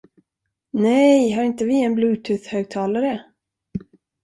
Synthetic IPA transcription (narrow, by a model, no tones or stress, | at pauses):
nɛjɦaɾɪnt̪əvɪɛnblʉːt̪ʰʉθhœːɡ̚t̪ʰɑːlaɾə